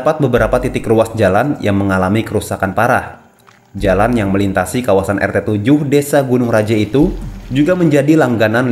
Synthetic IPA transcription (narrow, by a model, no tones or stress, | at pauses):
pat̪̚bəbəɾapat̪it̪ɪkruasd͡ʒalanjaŋməŋalamikəɾusakanpaɾah | d͡ʒalanjaŋməlint̪asikawasanʔɛ̰rt̪et̪ud͡ʒʊhdesaɡunʊŋrad͡ʒait̪ud͡ʒuɡaməɲd͡ʒadilaŋɡanan